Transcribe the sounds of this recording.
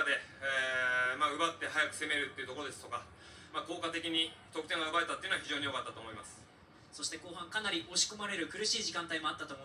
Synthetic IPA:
ad̪e̞ | maɯ̟bat̪ːe̞ɦajakɯ̟̥se̞me̞ɾɯ̟t̪ːe̞iɯ̟t̪okoɾod̪est̪o̞ka | maːko̞ːkat̪e̞kʲiɲ̟it̪okɯ̟̥t̪ẽ̞ŋ̃ɡaɯ̟bae̞t̪at̪ːeɯnoaçiʑo̞ːɲ̟ijo̞kat̪ːat̪oːmo̞imasɨ̥ | so̞ɕi̥t̪e̞ko̞ːɦãŋkanaɾʲiʔoɕi̥ko̞maɾe̞ɾɯ̟kɯ̟ɾɯ̟ɕiːʑikãnt̪aimo̞at̪ːat̪o̞mo

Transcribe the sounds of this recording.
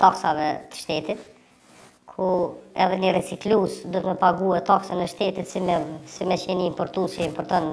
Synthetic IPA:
t̪aksavɛt̪ə̥ʃt̪ɛt̪it̪ | kʰuɛðɛnərɛt͡siklusd̪uət̪məpaɡuɛt̪aksənɛʃt̪ɛt̪it̪sisimɛʃɛniimpɔɾt̪ust͡ʃɛimpɔɾt̪ɔn

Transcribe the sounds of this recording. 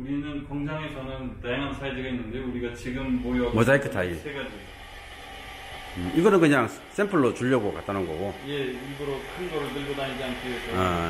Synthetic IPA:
uɾinɯnkʌŋsʰaŋe̞sʰʌnɯntajaŋɦansʰajed͡ʑeɡainːɯndeuɾiɡat͡ɕiɡɯmːojʌmʌd͡ʑaik͈ʰet͈ʰaisʰeɡad͡ʑi | iɡʌnɯnkɯɲaŋ | s͈ʰempʰʌɭːot͡ɕuʎːʌɡoka̰t͈anɯnɡʌ̰ɡojeiɡʌɾokʰɯnɡʌɾɯɭtɯɭɡʌdanid͡ʑiankʰees͈ʌa

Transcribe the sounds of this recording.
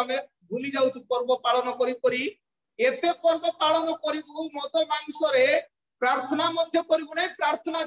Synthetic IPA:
ame | bʱulid͡ʒawt͡ʃʰipɔɾbɔpaɭɔnɔkɔɾipɔɾi | et̪epɔɾbɔpaɭɔnɔkɔɾibumɔt̪ɔmaŋsɔɾe | pɾaɾt̪ʰɔnamɔd̪ʱjɔkɔɾibuɽepɾaɾt̪ʰɔna

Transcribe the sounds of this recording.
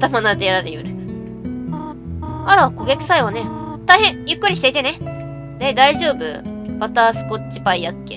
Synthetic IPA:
t̪amanad̪eɾaɾejɯɾɯ̟ | aɾako̞ɡʲakɯ̥saiβane̞t̪aihẽ̞ɰ̃jɯ̟kːɯ̟ɾʲiɕi̥t̪e̞it̪e̞ne̞ | ne̞d̪aiʑo̞ːbɯ̟̰bat̪aːsɨ̥ko̞t͡ɕipaijakːe

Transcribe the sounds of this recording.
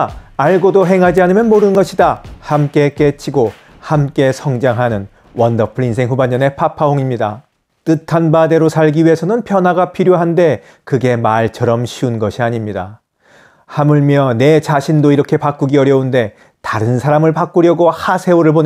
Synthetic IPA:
aɭɡodoɦe̞ŋɦad͡ʑianɯmjʌnmoɾɯnɡʌɕʰidahamk͈e̞k͈e̞t͡ɕʰiɡo | hamk͈e̞sʰʌŋd͡ʑaŋɦanɯn | wʌndʌpʰɯɾinsʰeŋɦuband͡ʑʌne̞pʰapʰaɦoŋimɲida | t͈ɯtʰanbade̞ɾosʰaɭɡiɥiɦe̞sʰʌnɯnpʰjʌnwaɡapʰiɾjoɦande̞ | kɯɡe̞maɭt͡ɕʰʌɾʌmɕʰiunɡʌɕʰiaɲimɲida̰ | hamuɭmjʌne̞t͡ɕaɕʰindoiɾʌkʰe̞pak͈uɡiʌɾjʌunde̞ | taɾɯnsʰaɾamɯɭpak͈uɾjʌɡohasʰe̞oɾɯɭpon

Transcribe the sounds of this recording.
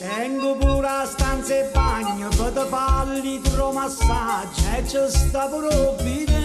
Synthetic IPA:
t̪ɛŋɡupuːɾaːst̪ʰaːnsepaːɲjɐpɐt̪əpaːlːit̪ɾoːmɐsaːt͡ʃʰɛt͡ʃəst̪ɐpɾoʋid͡ʒ

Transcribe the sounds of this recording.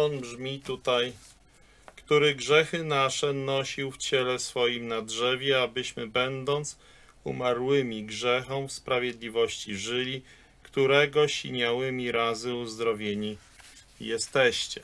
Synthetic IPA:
ɔnbʐmʲit̪ut̪aj | kt̪uɾɘɡʐɛxɘnaʂɛnɔɕiwft͡ɕɛlɛsfɔjimnadʐɛvʲjɛabɘɕmɘbɛnd̪ɔnt̪s | ṵmaɾwɘmʲiɡʐɛxɔ̃mfspɾavʲjed̪lʲivɔɕt͡ɕiʐɘlʲi | kt̪uɾɛɡɔɕiɲawɘmʲiɾazɘuzd̪ɾɔvʲjeɲi | jɛst̪ɛɕt͡ɕɛ

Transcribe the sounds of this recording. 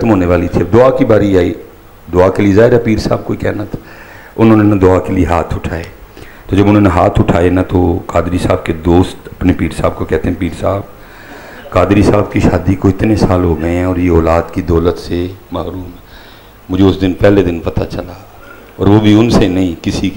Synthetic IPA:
ət̪mɦoːneʋaːlit̪ʰibd̪ʊaːkibaːɾiaːiː | d̪ʊaːkeliezaːɦɪɾapiːɾsa̰ːb̚koːikɛːnat̪ʰ | ʊnõːnẽnad̪ʊaːkelieɦaːt̪ʰʊʈʰaːeː | t̪oːd͡ʒɐbʊnɦõːneɦaːt̪ʰʊʈʰaːenat̪okaːd̪ɾisaːbked̪oːst̪ɐpnepiːɾsaːb̚kokɛɦt̪ẽɦɛ̃piːɾsaːb | kaːd̪ɾisaːbkiʃaːd̪ikoɪt̪nesaːlɦoːɡəeɦɛ̃ɔːɾjeɔːlaːd̪kid̪ɔːlət̪semaːɾuːm | mʊd͡ʒʱeʊsd̪ɪnpɛːled̪ɪnpɐt̪at͡ʃəla | ɔːɾʋobʱiʊnsenɐɦĩkɪsik

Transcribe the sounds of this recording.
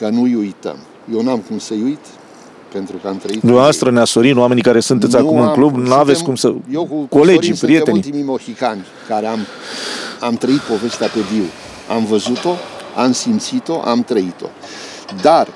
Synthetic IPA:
kənujujt̪ə̰m | jewnamkumsəjujt̪ | pe̞nt̪ɾukəamt̪ɾəid̪umneavast̪ɾəneasoɾinuwame̞nikaɾe̞sunt̪esʲakumɨŋklubnuavet̪sʲkumsəjewko̞le̞d͡ʒipɾije̞e̞nit̪imijmohikanʲ | kaɾeam | amt̪ɾəit̪̚po̞ve̞st̪eape̞biw | amvəzut̪o̞amsimt̪sit̪o̞ʔa̰mt̪ɾəit̪o̞̰ | d̪ar

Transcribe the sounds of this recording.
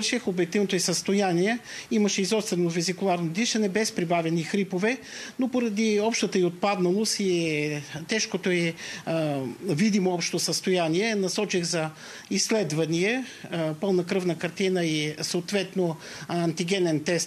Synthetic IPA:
ʃɛxobɛt̪ilnot̪oɛsəst̪ojaniɛimɐʃɛizɔst̪vɛnovizikʊlˠaɾnod̪iʃɐnɛbɛspɾibavɛnixɾipovɛ | nopoɾɐd̪iɔpʃt̪ət̪əiot̪̚pad̪nɐlˠosi | t̪ɛʃkot̪oɛ | vid̪imoɔpʃtt̪osəst̪ojaniɛnɐsɔt͡ʃiɣzɐ | islɛd̪vɐniɛ | pɤlˠnɐkɾɤvnəkɐɾt̪inəisəot̪vɛt̪no | ɐnt̪iɡɛnɛnt̪ɛst̪

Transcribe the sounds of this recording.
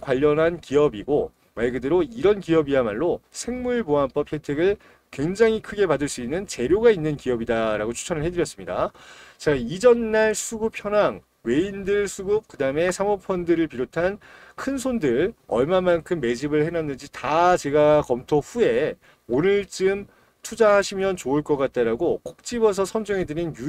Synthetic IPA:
kwaʎːʌnɦankiʌbiɡo | maɭɡɯdɯɾoiɾʌnkiʌbiamaɭːosʰe̞ŋmuɭboamp͈ʌpʰe̞tʰeɡɯɭ | kwe̞ŋd͡ʑaŋɦikʰɯɡe̞padɯɭs͈uinːɯnt͡ɕe̞ɾjoɡainːɯnkiʌbidaɾaɡot͡ɕʰu̥t͡ɕʰʌnɯɭhe̞dɯɾjʌs͈ɯmɲida̰t͡ɕaid͡ʑʌnːaɭsʰuɡupʰçjʌnaŋ | we̞indɯɭsʰuɡup̚kɯdaɯme̞sʰamopʰʌndɯɾɯɭpiɾotʰan | kʰɯnsʰondɯɭʌɭmamankʰɯmːe̞d͡ʑibɯɭhenanːɯnd͡ʑitat͡ɕe̞ɡakʌmtʰoɸue̞ | onɯɭt͡ɕɯm | tʰud͡ʑahaɕʰimjʌnt͡ɕoɯɭk͈ʌk͈at̚t͈aɾaɡokʰok̚t͡ɕ͈ibʌs̬ʰʌsʰʌnd͡ʑɯŋɦe̞dɯninju

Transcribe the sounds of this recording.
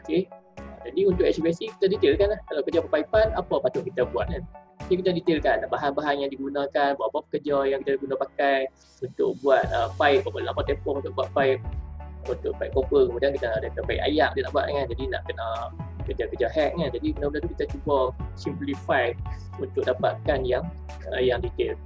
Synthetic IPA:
oke | ad͡ʒadiunt̪ʊʔɛsipiɛsiki̥t̪adit̪elkanlahkalawkəd͡ʒapəpaipanapapat̪ʊʔ̚ki̥t̪abua̰t̪̚kanakikit̪adit̪elkanːaʔbaɦanbaɦanjãŋdiɡunãkanbaʔbapəkəd͡ʒajãŋkit̪adiɡunãpakaj | unt̪ʊ̰k̚buat̪̚əpajp̚bapalapant̪ɛmpɔkunt̪ʊʔbuat̪̚paɪp̚unt̪ʊʔ̚paipkːopəkəmudiankit̪adat̪apaḭʔa̰jaʔ̚dila̰ʔbuat̪ʔaŋand͡ʒadinã̰ʔkənakəd͡ʒakəd͡ʒaɦɛk̚ŋand͡ʒadikənãbəndat̪ukit̪at͡ʃubasimplifaj̚ | unt̪ʊk̚dapaʔ̪̚kanjaŋ | əjaŋdit̪el

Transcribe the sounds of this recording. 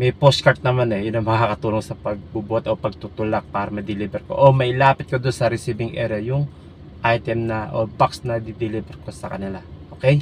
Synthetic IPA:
mɐjpost̪̚kɐɹt̪̚nɐmanɛjʊnɐŋmɐŋakɐt̪uːloŋsɐpɐɡ̚bubot̪opɐɡ̚t̪ut̪ʊlak̚paːɾɐmɐd̪ɪlibɛɾko̞̰ʔomɐlaːpɪt̪̚kod̪onsɐɾɛsiːbɪŋʔɛ̰ːɾɐjʊŋ | ʔajt̪ɛmnɐʔobaksnɐd̪ɪd̪ɪlibɛɾko̞sɐkɐnɪlaʔokɛj

